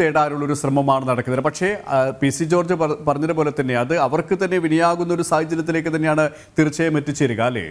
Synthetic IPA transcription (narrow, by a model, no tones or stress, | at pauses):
eːɽaːɾuɭːo̞ɾuɕrɐmɐmaːɳɨnɐɽɐkːunɐðɨpɐkʂe̞pisid͡ʑo̞ːrd͡ʑɨpɐrɐɲːɐðɨpoːle̞t̪ːɐnːe̞ɐðɨɐʋɐrkɨt̪ɐnːe̞ʋinijaːɣunːɐo̞ɾusaːhɐd͡ʑjɐnɐt̪ːile̞ːkːɨt̪ɐnːe̞jaːɳɨ | t̪irɨt͡ɕːɐmetːit͡ɕːɐɾuɣaːlḛː